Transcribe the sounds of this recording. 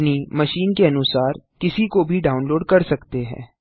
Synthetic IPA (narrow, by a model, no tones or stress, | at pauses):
nimɐʃiːnkeɐnʊsaːɾkɪsikobʱiɖaːʊnloːɖkɐɾsɐkt̪eɦɛ̰̃ː